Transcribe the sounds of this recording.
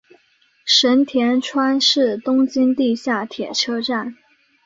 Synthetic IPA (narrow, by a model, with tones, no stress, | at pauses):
ʂə˧˥nt̪ʰjɛ˧˥nʈ͡ʂʰwa˥nʂɻ̩˥˩t̪ʊ˥ŋt͡ɕi˥nt̪i˥˧ɕja˥˩t̪ʰjɛ˨˩ʈ͡ʂʰɤ˥ʈ͡ʂa˥˩n